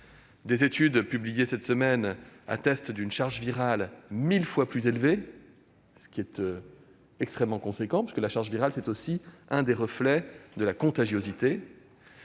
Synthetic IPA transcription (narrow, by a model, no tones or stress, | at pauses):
d̪ezet̪yd̪pyblijesɛt̪səmɛna̰t̪ɛst̪d̪ynʃaʁʒviʁalmilfwaplyzelve | sə̥kʲiɛt̪ø | ɛkst̪χɛmːɑ̃kɔ̃sekɑ̃pḁskəlaʃaʁʒviʁalsɛt̪osiɛ̃d̪eʁəflɛd̪əlakɔ̃t̪aʒjozit̪e